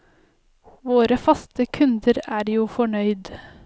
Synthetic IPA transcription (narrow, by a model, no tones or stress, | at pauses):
ʋoːɾəfɑst̪əkʰʉnd̪əɾæːɾjuːfɔɳœʏd̪